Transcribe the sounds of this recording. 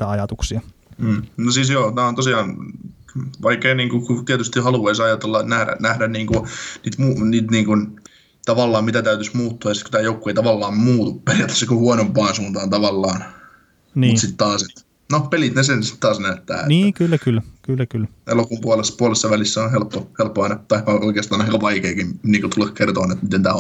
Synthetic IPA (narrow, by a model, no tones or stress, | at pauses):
t̪æɑjɑt̪uksiɑm̩ːnosiːsjoːt̪æːont̪osiɑːn | ʋɑikːeiniːŋkukut̪iæt̪yst̪ihɑluɑisɑjɑt̪elːɑnæhɾæ̰næhdænniːŋkuniːt̪muniːt̪niːŋkun | t̪ɑʋɑlːɑːmmit̪æt̪æyt̪ysmuːt̪ːuɑjɑsit̪ku̥t̪æːjoukːueit̪ɑʋɑlːɑːmmuːt̪upperjɑt̪ːe̥sekuhuonompɑːnsuːnt̪ɑːnt̪ɑʋɑlːɑːn | nmusit̪t̪ɑːset̪ | nopelit̪nesensi̥t̪t̪ɑːsnæhyt̪ːˑæ̰ːḛniːkyllːækylːkylːækylːḛlokumpuolesːɑ̥puolesːɑʋælisːæonhelpːohelpːoɑnɑt̪ɑihɑʔoikeːst̪ɑːnɑiŋkɑʋɑikeːkimniːŋkut̪ulːekkert̪oːnet̪mit̪ent̪æ̰ː